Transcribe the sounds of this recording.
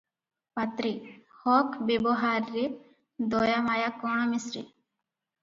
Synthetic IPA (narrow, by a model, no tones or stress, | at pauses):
pɐt̪ɾihoːkʰbeboɦaːɾːi | d̪oːjamaːjakoːɳ̃amisɾḭ